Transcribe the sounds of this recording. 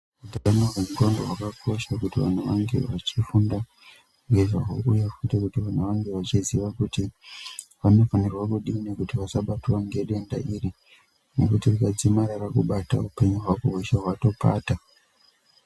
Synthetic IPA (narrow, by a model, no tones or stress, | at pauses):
udaanoremutondoɦwakakʰo̞ʃakutiʋa̰n̤uʋaŋɡe̞̰ʋat͡ʃifunda | ŋɡe̞ʐaɦuujafutekutiʋan̤uʋaŋɡe̞ʋat͡ʃiziʋakuti | ʋano̞fanirwakuɗiːnekutiʋasaɓatuwaŋɡe̞ɗe̞nda̰ʔiri | ne̞̰kutirukad͡zimaɾarakuɓata̰upe̞ɲuɦwakuɦoʃaɦwato̞paːta